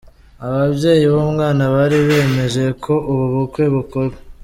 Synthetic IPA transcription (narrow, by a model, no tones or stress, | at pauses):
aβabɟe̞ːjiβomŋaːnaβaɾiβe̞ːme̞ʒe̞kʰo̞ʔuβuβukweβukoɾwe